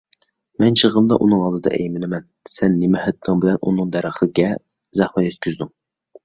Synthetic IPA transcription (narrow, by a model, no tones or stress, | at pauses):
mɛnt͡ʃʰəʁəmd̪ɑʔunɨŋɑlˠd̪ɨd̪ɑ̰ʔɛ̰jmɪnɪmɛnsɛnːemɛhæt̪ʰːɪŋbɪlɛnʔunɨŋd̪æɾəχˠɡʲɛ | zæχmɛt̪jɛt̪̚kʲʰyzd̪yŋ